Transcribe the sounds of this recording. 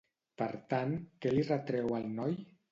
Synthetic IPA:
pəɾt̪ankɛlirət̪ɾɛwalˠnɔj

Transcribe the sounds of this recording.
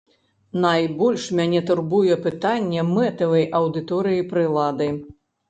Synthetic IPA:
najbɔlʲʂmʲanʲɛt̪urbujɛpɨt̪anʲːɛmɛt̪ɐvɐjʔɐwd̪ɨt̪ɔɾɨjipɾɨlˠad̪ɨ

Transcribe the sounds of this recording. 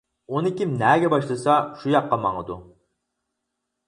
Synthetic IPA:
onɪkʲimnæːɡʲɛbɑʃlˠɨsɑʃujɑqːɑmɑŋəd̪u

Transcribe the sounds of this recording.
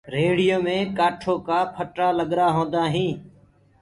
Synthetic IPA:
ɾeːɽɪjoːmẽːkaːʈʰoːkaːpʰəʈɾaːləɠɾaːɦõːnd̪aːɦĩː

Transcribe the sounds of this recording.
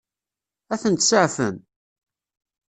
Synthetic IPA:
æθənt̪səʕfə̰n

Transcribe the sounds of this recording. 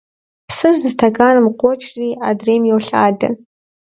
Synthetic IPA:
pʰsɨrzɨztʰakʰʼanɨmqʷʼɔt͡ʃʰriadremjowɬa̰ːda̰

